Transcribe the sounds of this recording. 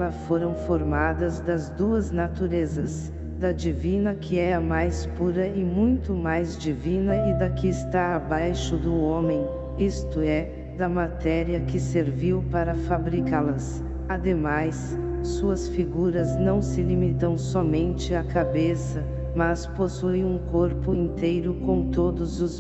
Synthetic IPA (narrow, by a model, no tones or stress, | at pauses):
lɐfoɾɐ̃w̃foɾmad̪ɐzd̪ɐzd̪uɐznat̪uɾezɐs | d̪ɐd͡ʒivĩnɐkʰɪɛɐmajspuɾɐɪmũj̃t̪ʊmajzd͡ʒivĩnɐɪd̪ɐkɪːst̪aːbajʃʊd̪ʊõmẽj̃ | ist̪ʊɛ | d̪ɐmat̪ɛɾiɐkɪseɾviwpaɾɐfabɾikalɐs | ad̪emajsː | uɐsfiɡuɾɐznɐ̃w̃sɪlimit̪ɐ̃w̃sɔmẽnt͡ʃɪakabesɐ | mɐsposuj̃ũkoɾpʊĩnt̪ejɾʊkõw̃t̪od̪ʊzʊz